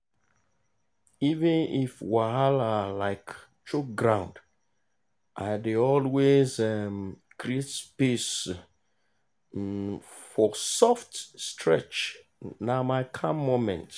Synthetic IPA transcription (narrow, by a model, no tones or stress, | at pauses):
ivɛ̃nifwaalalaɪk | t͡ʃok̚ɡɹãʊ̃nd | ʔaɪdeɔlwezɛm | kɾietspes | fɔsɔftstʰɹɛ̰t͡ʃ | namaɪkʰãmːomɛ̰̃nt